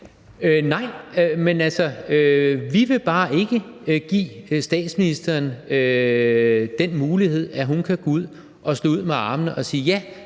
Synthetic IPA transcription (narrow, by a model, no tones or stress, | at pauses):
ønɑ̈ɪ̰ømenælsɐøʋiʋe̝b̥ɑ̈ːʔe̝ɡ̥əɡ̥ḭːsd̥ɛ̰ːd̥sminisd̥ɐːnø | d̥en̰muːlihe̝ð̞̰ˠæɦunkʰæɡ̥ouð̰ˠ | ʔɒ̽slɔ̰ːuð̰ˠmeɑ̈ːmənəʔɒ̽siːjæ